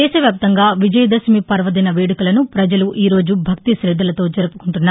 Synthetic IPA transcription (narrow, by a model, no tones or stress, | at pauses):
ɛːʃɐʋjaːp̚t̪ɐŋɡaːʋid͡ʒɐjɐd̪ɐsmipɐɾʋɐd̪ɐnɐʋeːɽukulɐnupɾɐd͡ʒɐluʔiːɾo̞ːd͡ʒubʱɐk̚t̪iʃɾɛd̪ʱːɐlɐt̪o̞ːd͡ʒɐɾupu̥kuɳʈunːaː